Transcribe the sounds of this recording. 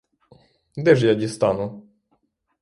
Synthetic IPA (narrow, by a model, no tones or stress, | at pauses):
d̪ɛʐjad͡ʑist̪anu